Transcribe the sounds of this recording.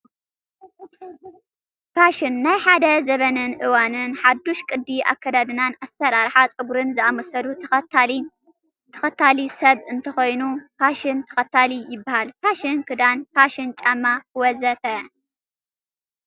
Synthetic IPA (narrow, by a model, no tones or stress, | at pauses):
paʃɪnːajħad̪ɐzɐβɐnɨnʔɨwanɨnħad̪ːuʃkʼɨd̪ːiʔa̰kːɐd̪ad̪ɨnanasːɐɾaɾħat͡sʼɨɡuɾɨnzɨʔamɐsɐlu | t̪ʰɐ̥xɐt̪ʰalisɐβɨnt̪ʰɐxo̞jnupʰaʃɪnt̪ʰɐ̥xɐt̪ʰalijɪbːahalpʰaʃɪnkʰɨd̪anpaʃɪnt͡ʃʼamːawɔzɐt̪ɐ